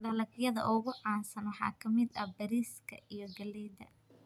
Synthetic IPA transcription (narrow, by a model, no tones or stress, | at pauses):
ɖɐlɐkjɐðɐ̰ʔʊɣʊʕɑːnsɐnwɑħɑ̰ːkʰɐmɪd̪ɐbɐɾiːskʰɐ̰ʔijɞɡɐlɛjd̪ɐ̰